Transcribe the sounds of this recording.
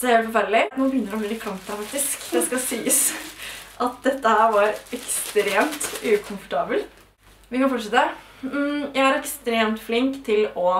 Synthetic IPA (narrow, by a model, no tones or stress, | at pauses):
sheːlfɔfæɾɭɪnuːbəjʏnːəɾɔmlɪːd̪ɪkʰɾɑmt̪əfɑk̚t̪ɪskd̪ɛskɑsiːəs | ʔɑt̪̚d̪ɛt̪ːəhæːɾʋɑɾɛkst̪ɾeːmt̪ʉːkʰʊmfɔ̥ʈʰɑːbəl | ʋɪkɑnfɔʈʂɛt̪əə | jæɪæɾɛkst̪ɾeːmt̪flɪŋkt̪ʰɪlɔ